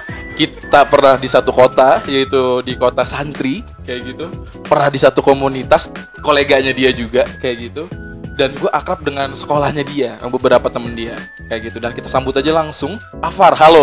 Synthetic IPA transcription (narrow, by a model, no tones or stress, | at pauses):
kit̪apərnahdisat̪ukot̪ajait̪udikot̪asant̪ɾi | kajaʔɡit̪u | pərnahdisat̪ukomunit̪as | koleɡaɲadiad͡ʒuɡakajaʔɡit̪u | danɡuaʔakɾap̚dəŋansə̥kolahɲadiajaŋbəbəɾapat̪əməndia | kajaʔɡit̪udankit̪ḁsambʊt̪ad͡ʒalaŋsʊŋ | afarɦalo